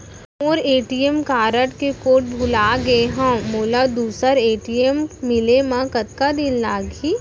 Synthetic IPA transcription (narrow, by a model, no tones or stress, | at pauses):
ɔːɾeːʈijemkaːɾəʈkekoːʈ̚bʱʊlaːɡeɦãmoːlad̪uːsəɾeːʈiemːɪlemãkɐt̪̚kad̪ɪnlaːɡiː